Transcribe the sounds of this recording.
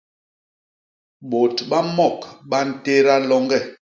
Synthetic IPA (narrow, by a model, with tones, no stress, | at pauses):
ɓo˨tɓa˦mɔ˦˨kɓa˦n̩˨te˦ɾa˦lɔ˦ŋɡɛ˦˨